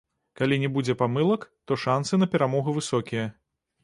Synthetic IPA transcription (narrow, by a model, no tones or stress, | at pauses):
kalʲinʲɛbud͡zʲɛpamɨlˠɐkt̪ɔʂansɨnɐpʲɛɾamɔɣuvɨsɔkʲijɐ